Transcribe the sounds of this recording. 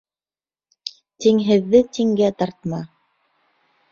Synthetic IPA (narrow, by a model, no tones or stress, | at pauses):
t̪iŋɦɘ̆ðːɘt̪iŋɡæt̪ɑɾt̪̚mɑ